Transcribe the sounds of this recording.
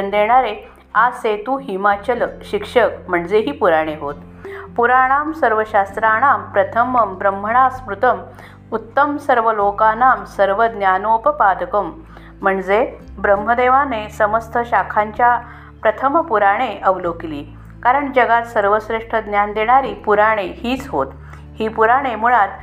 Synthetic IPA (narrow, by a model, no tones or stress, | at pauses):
nd̪eɽ̃aɾe | aset̪uːɦimat͡ɕəlɕikʂəkm̤əɳd͡zeɦiːpuɾaɽ̃eɦot̪ | puɾaɽ̃aːmsəɾʋəɕast̪ɾaɽ̃aːmpɾət̪ʰəməmbɾəm̤ːʱəɳasmɾut̪əm | ut̪ːəmsəɾʋəlokanamsəɾʋəd̪njanopəpad̪əkəm̤ː | əɳd͡ze | bɾəmɦəd̪eʋanesəməst̪ʰəɕakʰãɲt͡ɕja | pɾət̪ʰəməpuɾaɽ̃eʔəʋlokiliː | kaɾəɳd͡ʑəɡat̪səɾʋəsɾeʂʈʰəd̪njand̪eɽ̃aɾiːpuɾaɽ̃ehiːt͡sɦo̰t̪ | hiːpuɾaɽ̃emuɭat̪